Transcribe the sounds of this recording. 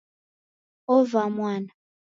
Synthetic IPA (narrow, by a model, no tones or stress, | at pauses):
ɔvamwaːna